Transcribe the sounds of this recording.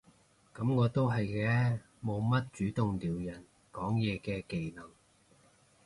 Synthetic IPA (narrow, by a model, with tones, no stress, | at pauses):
kɐ˨˥mŋɔː˨˧t̪o˥wɦɐ˨jkɛː˧˥ | mo˨˧wmɐ˥t̚t͡ʃyː˨˥t̪ʊ˨ŋliː˨˩wjɐ˨˩n | kɔː˨˥ŋjɛː˨˧kɛː˧ke˨jlɐ˨˩ŋ